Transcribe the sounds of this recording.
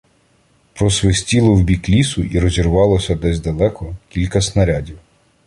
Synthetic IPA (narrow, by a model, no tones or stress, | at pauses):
pɾɔsʋɪsʲtʲilˠɔwbʲiklʲisʊʔiɾɔzʲirʋɑlˠɔsʲɐd̪ɛzʲd̪ɐlˠɛkɔkʲilʲkɐsnɐɾʲadʲiw